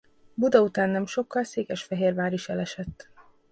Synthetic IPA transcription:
bud̪ɒut̪aːnːɛmʃo̞kːɒlseːkɛʃfɛɦeːrvaːɾiʃɛlɛʃɛt̪ː

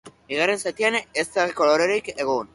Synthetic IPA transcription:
biɣ̞are̞nsat̪ianest̪aiko̞lo̞ɾeɾike̞ɣ̞un

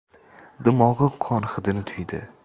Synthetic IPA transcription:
d̪ɪmɒʁɨqʰːɒnχɨd̪ɪnɪt̪ʰʊjd̪ɪ̰

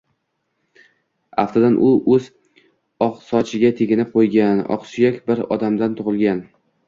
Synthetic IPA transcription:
a̰ft̪ʰad̪anʔʊʔɵz | ɒqsɒt͡ʃʰɪɡʲat̪ʰeɡʲɪnɪp̚qʰojɡʲanɒ̰qsʊjakʲbɪɾɒ̰d̪amd̪ant̪ʰoʁɨlˠɡʲan

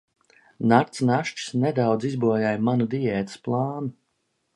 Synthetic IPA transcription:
naɾt̪snaʃt͡ʃi̥snɛd̪awd̪zizbuɔjajmanud̪ijɛːt̪ɨ̥splˠɑːnu

